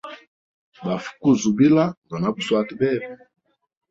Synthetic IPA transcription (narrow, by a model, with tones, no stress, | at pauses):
ba˨fu̥˦ku˦˨zu˨bi˦la˦ŋɡa˨na˦bu˨swa˦ti˨bɛ˦˨bɛ˨